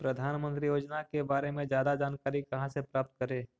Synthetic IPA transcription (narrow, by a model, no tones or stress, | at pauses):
pɾɐd̪ʱaːnmə̃nt̪ɾijoːd͡ʒnakebaːɾemẽd͡ʒjaːd̪ad͡ʒaːnkaːɾikɐɦãsepɾaːp̚t̪̚kəɾẽː